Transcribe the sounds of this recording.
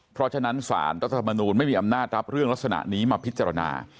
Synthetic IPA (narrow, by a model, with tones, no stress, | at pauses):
pʰɾɔ˦˥t͡ɕʰa˧na˦˥nsa̰ː˩˦nɾa˦˥t̪ʰːa˧t̪ʰa˧mːa˧nuː˧nma˥˩jmiː˧ʔa˧mnaː˥˩t̪̚ɾa˦˥p̚ɾɯ˥˩əŋla˦˥k̚sa˧na̰˨˩ʔniː˦˥maː˧pʰi˦˥t̪̚t͡ɕaː˧ɾa˧na̰ː˧